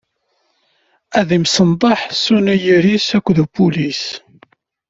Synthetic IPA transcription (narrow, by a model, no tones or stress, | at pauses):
æðimsənd̪ˤɑħsunæjiɾisækʷːðubulis